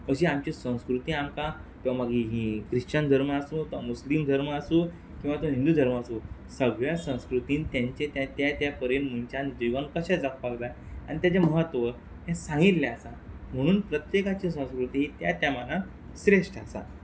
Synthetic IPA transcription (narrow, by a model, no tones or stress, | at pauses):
əɕiamt͡ɕisə̃w̃skɾut̪iːamkat̪eʋamaɡʱiɦikɾiɕt͡ɕand̪ʱəɾməasut̪amuslimd̪ʱəɾməasu | kĩw̃ʋat̪oɦĩnd̪uːd̪ʱəɾməasusəɡɭjasə̃w̃skɾut̪iːnt̪jaɲt͡ɕet̪jat̪jat̪japəɾenmunt͡ɕanid͡ʑiʋənkəɕad͡zak̚ʰpaɡla | a̰ñit̪̬jat͡ɕjaməɦət̪ːʋə | ɦãsãŋɡit̪ljaasam̤əɽ̃uːnpɾət̪jekat͡ɕis̬ə̃w̃skɾut̪iːɦiːt̪jat̪jamana | ɕɾeʂʈasa̰